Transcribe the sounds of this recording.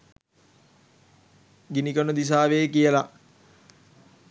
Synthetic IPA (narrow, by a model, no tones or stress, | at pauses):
ɡinikənəd̪is̬aːʋeːkijəla